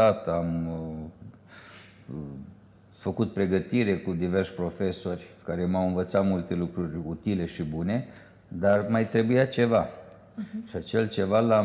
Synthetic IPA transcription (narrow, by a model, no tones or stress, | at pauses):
at̪am | fəkut̪̚pɾe̞ɡət̪iɾe̞kud̪iverʃʲpɾo̞fe̞so̞rʲkaɾe̞mawɨnvət̪sat̪mult̪e̞lukɾurʲut̪ile̞ʃibune̞ | d̪armajt̪ɾe̞bujat͡ʃe̞va | ʃiat͡ʃe̞lt͡ʃe̞vala